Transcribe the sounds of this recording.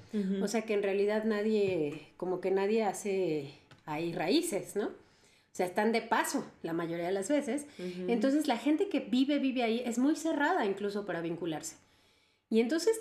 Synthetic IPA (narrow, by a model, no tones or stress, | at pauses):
ose̞ake̞ːnrealiðaðnaðje̞ko̞mo̞ke̞naðje̞ase̞ | airaise̞sno̞ | oseaest̪and̪e̞paso̞lamaʝo̞ɾiaðelazβe̞se̞sent̪o̞ns̬e̞zlaxe̞nt̪e̞ke̞biβe̞βiβe̞aiʔe̞zmujse̞raðaiŋkluso̞paɾaβiŋkulaɾse̥ | ie̞nt̪o̞nse̞s